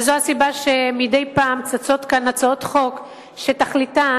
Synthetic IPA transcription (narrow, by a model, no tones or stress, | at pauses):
zoasibaʃemidejpaːmt͡sat͡so̞t̪kanːat͡saot̪χo̞k | ʃetaχlita